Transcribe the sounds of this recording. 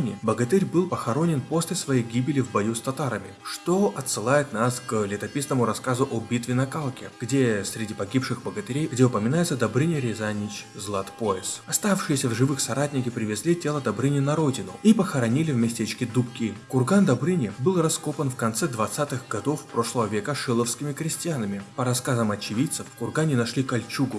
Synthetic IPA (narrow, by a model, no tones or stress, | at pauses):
nʲɪbəɡɐt̪ɛɾʲbɨlˠpəxɐɾo̞nʲɪnpo̞sʲlʲɪsvɐjejɡʲibʲɪlʲɪvbɐjust̪ɐt̪aɾəmʲɪ̰ʂt̪oʔɐt̪sɨlˠajɪt̪nasklʲɪt̪ɐpʲisnəmʊɾɐskazʊʔobʲit̪vʲɪnɐkalˠkʲɪɡ̥dʲe̞sʲɾʲɪdʲipɐɡʲipʂɨxbəɡət̪ɪɾʲejɡdʲeʊpəmʲɪnajɪt̪səd̪ɐbɾɨnʲɪɾʲɪzanʲɪt͡ɕzlˠat̪poɪsɐst̪afʂɨjɪsʲəvʐɨvɨxsɐɾat̚ʲnʲɪkʲɪpɾʲɪvʲɪzʲlʲitʲe̞lˠəd̪ɐbɾɨnʲɪnɐɾo̞dʲɪnʊipəxɐɾɐnʲilʲɪvmʲɪsʲtʲet͡ɕkʲɪd̪upkʲikʊrɡand̪ɐbɾɨnʲɪbɨlˠrɐsko̞pənfkɐnt̪sɛd̪vɐt̪sat̪ɨxɡɐd̪o̞fpɾo̞ʂlˠəvəvʲekəʂɨlˠəfskʲɪmʲɪkɾʲɪsʲtʲɪjanəmʲɪpəɾɐskazəmɐt͡ɕɪvʲit̪səfkʊrɡanʲɪnɐʂlʲikɐlʲt͡ɕuɡʊ